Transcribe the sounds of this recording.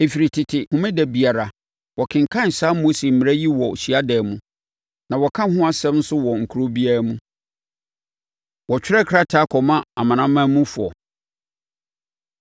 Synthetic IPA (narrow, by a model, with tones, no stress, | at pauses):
e˨fi˨ɾi˨tʰɪ˨tʰɪ˨hʊ̃˨mɪ̃˦dɛ˨bi˨a˨ɾa˨ | wɔ˨kʰɪ̃˨ŋ̩˨kʰã˦n̩˨saː˦mo˦si˨m̩˨mɪ̃˨ɾæ˦ji˦wɔ˨ɕi˨a˦dɛː˨mũ˦ | nã˨wɔ˨kʰã˦ɦʊ̃˦a˦sɛ̃˦mn̩˦sʊ˦wɔ˨ŋ̩˨kʰu˨˦ɾo˦bi˦a˦ɾa˦mũ˦ | wɔ˨t͡ɕᶣɪ˦ɾɛ˦kʰɾa˦tʰa˦kʰɔ˨mã˦a˨mã˨nã˦mã˦mũ˦fʊ˨ɔ̰˨